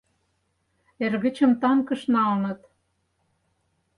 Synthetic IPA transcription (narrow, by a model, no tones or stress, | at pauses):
erɣɘ̆t͡ɕə̆mt̪ɑŋkɤ̆ʃnɑlnɤ̆t̪